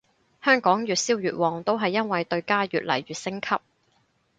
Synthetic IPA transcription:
hœː˥ŋkɔː˨˥ŋjyː˨t̚siː˥wjyː˨t̚wɔː˨˩ŋt̪o˥wɦɐ˨jːɐ˥nwɐ˨jt̪ɵ˧ɥkaː˥jyː˨t̚lɐ̰˨˩jɥyː˨t̚sɪ˥ŋkʰɐ˥p̚

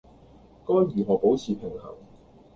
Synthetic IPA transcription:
kɔː˥nɥyː˨˩ɦɔː˨˩po˨˥wt͡sʰiː˨pʰɪ˨˩ŋhɐ̰˨˩ŋ

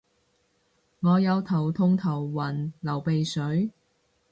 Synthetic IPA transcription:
ŋɔː˨˧jɐ˨˧wt̪ʰɐ˨˩wt̪ʰʊ˧ŋt̪ʰɐ˨˩wːɐ˨˩nlɐ˨˩wpe˨jsɵ˨˥ɥ

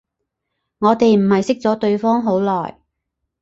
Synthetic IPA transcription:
ŋɔː˨˧t̪e˨jm̩˨˩hɐ˨jsɪ˥k̚t͡sɔː˨˥t̪ɵ˧ɥfɔː˥ŋɦo˨˥wlɔː˨˩j

